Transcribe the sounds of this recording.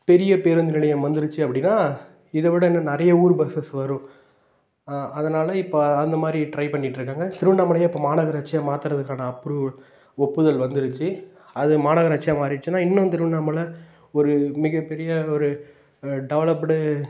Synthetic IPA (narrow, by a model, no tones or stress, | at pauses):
pɛɾɪjɐpeːɾɯnd̪ɪnɪɭɐjɐ̃mʋɐnd̪ɯɾɯt͡ʃːɯɐpːɐɽɪnːaː | ɪðɐʋɪɽɐɪnːɐnɐɾɐjɐuːɾbɐsɐsʋɐɾʊ̃ | ɐðɐnaːlɐɪpːoɐnd̪ɐmaːd̪ɾiʈɾɐɪpɐɳːɪʈːɾɯkːaːŋɡɐt̪ɪɾɯʋɪnːaːmɐɭɐjaːɪpːoːmaːnaːɣɐɾɐːt͡ʃːɪjaːmaːt̪ɯɾɐðɯkːaːnɐːpːɯɾɯ | ɔpːɯðɐlʋɐnd̪ɯɾɯt͡ʃːɯ | ɐðɯmaːnaːɣɐɾɐt͡ʃːɪjaːmaːtɾɪɯt͡ʃːɯnːaːɪnːõt̪ɪɾɯʋɪɳaːmɐlɐ | ɔɾɯmɪɣɐpːɛɾɪjɐɔɾɯ | ɖɛʋɐlɐpɽɯ